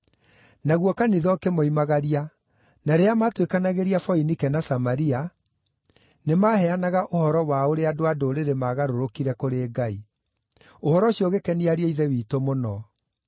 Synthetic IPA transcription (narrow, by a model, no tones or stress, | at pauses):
naɣwɔkaniðɔkemoimaɣaɾia | naɾeamatwekanaɣeɾiafɔinikɛnasamaɾia | nemahɛanaɣaʔohɔɾɔwaoɾeadoadoːɾeɾemaɣaɾoɾokiɾɛkoɾeːɡai | ohɔɾɔɕiɔɣekɛniaɾieiðɛwiːtomonɔ